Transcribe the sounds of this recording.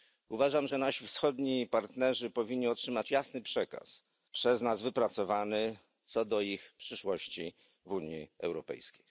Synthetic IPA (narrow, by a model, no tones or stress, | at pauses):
uvaʐamʐɛnaɕifsxɔd̪ɲipaɾt̪nɛʐɘpɔvʲiɲɲiɔtʂɘmat͡ɕjasnɘpʂɛka̰s | pʂɛznazvɘpɾat̪sɔvanɘ | t̪sɔd̪ɔixpʂɘʂwɔɕt͡ɕi | vuɲjḭɛ̰wɾɔpɛ̰jskʲej